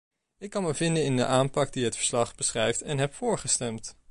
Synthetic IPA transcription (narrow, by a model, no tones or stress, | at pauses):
ɪkːɑnməvɪndənɪndə̰ʔaːmpɑɡ̚diɦətfəɹslɑχbəsχrɛjftɛnɦɛpfʊːɹχəstɛmt